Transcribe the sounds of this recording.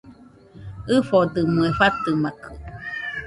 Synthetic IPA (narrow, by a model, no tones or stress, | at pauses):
ɨfod̪ɨmuefat̪ɨmakʰɯ